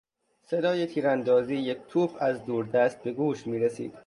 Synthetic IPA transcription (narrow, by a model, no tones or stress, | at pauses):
se̞d̪ɒːjet̪ʰiːɾænd̪ɒːziːjec̚ʰt̪ʰuːfʰæzd̪uːɾd̪æst̪̚be̞ɡuːʃmiːɾesḭːd̪̥